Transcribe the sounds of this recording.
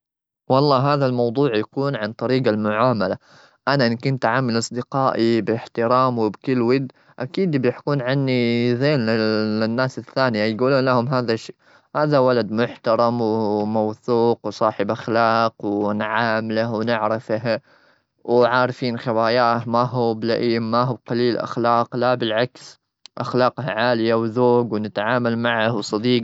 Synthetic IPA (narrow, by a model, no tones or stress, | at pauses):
wɑlˤːɑːɦaːðalmɑwd̪ˤuːʕjakuːnʕant̪ˤɑɾiːɡalmʊʕaːmala | ʔanaʔɪnkʊnt̪ʕaːmːɪlʔɑsˤd̪ɪqɑːʔibɪħt̪ɪɾɑːmwɪbkɪlːwɪd̪ | ʔakiːd̪bjɪħkuːnʕanːizeːnɪlɪnːaːsɪθːaːnɪjajɡuːluːnlahʊmɦaːðaʃːiː | haːðawalad̪mʊħt̪ɑɾˤɑmwmawθuːqwsˤɑːħɪbʔaxlaːqwnʕaːmlahwnɪʕɾɪfɦ | wʕaːɾfiːnxɪwaːjaːʔhmaɦublaʔiːmmaɦuːqɑliːlʔa̰xlaːqlabɪlʕaks | ʔaxlɑːqhaʕaːlɪjawzoːɡwnɪt̪ʕaːmalmaʕahwsˤɑd̪iːq